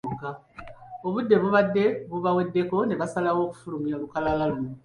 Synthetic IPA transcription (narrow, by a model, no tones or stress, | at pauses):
ka | o̞βudːe̞βuβadːe̞βuβawe̞dːe̞ko̞neβasalawo̞ːku̥fulumialukalalaluno